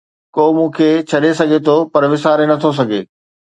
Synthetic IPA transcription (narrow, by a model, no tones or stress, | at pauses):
koːmũːkʰeːt͡ɕʰɐɗesɐɡʱet̪ʰopɐɾʋɪsaːɾenɐt̪ʰos̬ɐɡʱeː